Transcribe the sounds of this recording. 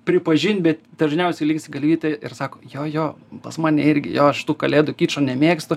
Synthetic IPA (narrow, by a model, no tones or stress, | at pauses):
pʲɾʲɪpɐʒʲɪnʲt̪ʲbʲɛt̪d̪ɐʒʲnʲɛʊsʲɛɪlʲɪŋksʲɪɡɐlʲʋʲiːt̪ʲeɪrsɑːkoːjoːjoːpɐsmɑːnʲɛɪɾʲɡʲɪ̰joːɐʃʃʲt̪uːkɐlʲeːd̪ʊkʲiːt͡ʃɐnʲɛmʲeːkst̪ʊ